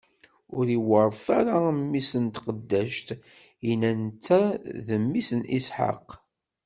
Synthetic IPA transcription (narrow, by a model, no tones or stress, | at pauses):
ʊɾiwəɾˤθaɾamːisənt̪qəd̪ːæʃt̪inænt͡sːæðəmːisənʔisħa̰q